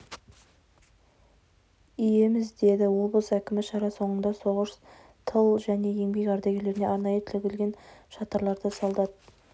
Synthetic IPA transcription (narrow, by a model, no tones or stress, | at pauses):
ije̞mɪzd̪e̞d̪ɪwo̞blˠəsækʲɪmɪʃɑɾɑso̞ɴənd̪ɑso̞ʁəʃ | t̪ʰəlˠʒæne̞je̞ŋbe̞kʲɑɾd̪ɑɡʲe̞le̞ɾɪne̞ɑɾnɑjət̪ʰɪlɡʲɪlɡʲe̞nʃɑt̪ɑɾlˠɑɾd̪əsɑlˠd̪ɑd̪ə